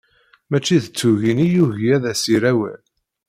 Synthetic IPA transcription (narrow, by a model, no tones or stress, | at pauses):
mæt͡ʃːiðət͡sːuʝinijuʝijæðæsiɾæwæ̰l